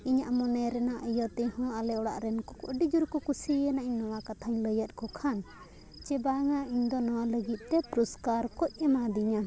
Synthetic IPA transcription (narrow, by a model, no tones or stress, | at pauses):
iɲaʔmɔnɛɾɛnaʔəjət̪ɛhɔ̃alɛɔɽa̰ʔɾɛnkɔkɔʔɖid͡ʒuɾkɔkusiɛnaʔiɲnɔwakat̪ʰaɲləjət̪̚ˀkɔkʰan | t͡ʃɛbaŋaiɲd̪ɔnɔwaləɡit̪̚ˀt̪ɛpɾɔskaɾkɔc̚ˀɛmad̪iɲa